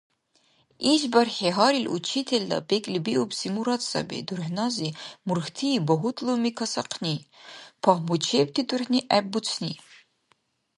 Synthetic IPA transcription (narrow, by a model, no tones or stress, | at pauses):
iʃbɐrħeɦɑɾilʔṵt͡ʃʰit̪ʰeld̪ɐ̰bekʼlibiʔupsimuɾɑt̪sɐ̰bḭd̪urħnɑzimurxt̪ʰiːbɔɦut̪ʼlumikʰɐsɐqʰnipʰɑhmut͡ʃʰep̚t̪ʰid̪urħniʔæːut͡sʰni